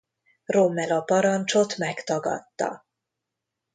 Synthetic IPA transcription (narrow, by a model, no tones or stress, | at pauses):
ro̞mːɛlɒpɒɾɒnt͡ʃo̞t̪mɛkt̪ɒɡɒ̰t̪ːɒ̰